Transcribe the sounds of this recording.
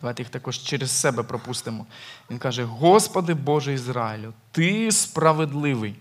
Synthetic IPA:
d̪ɐʋajt̪ejixt̪ɐkɔʒt͡ʃɛɾessɛbɛpɾɔpust̪ɪmɔʋinkɑʒɛɦɔspɐd̪ɪbɔʒɛizɾɑɪlʲʊt̪ɪspɾɐʋed̪lˠɪʋɪj

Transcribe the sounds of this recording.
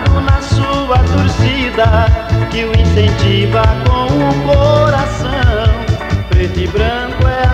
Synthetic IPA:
ʊnɐsuɐt̪oɾsid̪ɐkɪʊĩsẽnt͡ʃivɐkõw̃ʊkoɾasɐ̃pɾet̪ɪbɾɐ̃kʊɛ

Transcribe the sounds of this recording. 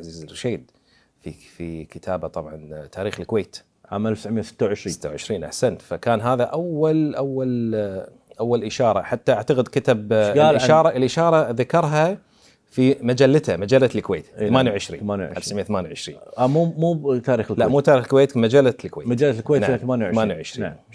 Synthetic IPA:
aziːzɪʃeːd̪ | fifikɪt̪ʰaːbat̪ˤɑbʕɑnt̪ʰaːɾiːxɪlkweːt̪ | ʕaːmʔalfʕmjasɪ̥t̪ːawʕɪʃɾiːsɪt̪ːawʕɪʃɾiːnʔa̰ħsant̪fakaːnɦaːðaʔawːalʔawːal | ʔawːalʔɪʃɑːɾˤɑ̰ħat̪ːaʔaʕt̪aɣɪd̪kat̪abɪʃɑːɾˤɑʔɪlʔɪʃɑːɾˤɑðakɑɾˤɦa | fimad͡ʒalːat̪hamad͡ʒalːalkweːt̪ːamaːnjawʕɪʃɾiːnmaːnj̰ʔʔa̰lfsʕmɪjaθamaːnjawʕɪʃɾiːnamuːmuːt̪aːɾiːxlklaʔmuːt̪aːɾixlkweːt̪mad͡ʒalːalkweːmad͡ʒalːalkweːnaθamaːnjawmaːnjawʕɪʃɾiː

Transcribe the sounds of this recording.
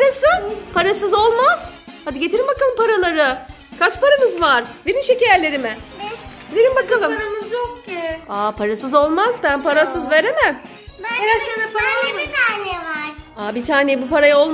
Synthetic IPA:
pɾasɯpʰaɾasɯzo̞lˠmaz̥had̪iɟe̞t̪ʰiɾimbakalˠɯmpaɾalˠaɾɯ | kʰat͡ʃpaɾamɯzvaɾ̥beɾinʃecejelʲe̞ɾimɪbilʲeɾʲimbakalˠɯmmɾamɯzjokiapʰaɾasɯzo̞lˠmazbænpʰaɾasɯzve̞ɾemɪ | aɾapaɾait̪ʰaːnevaɾaːbit̪ʰaːnejbupaɾajao̞lˠm

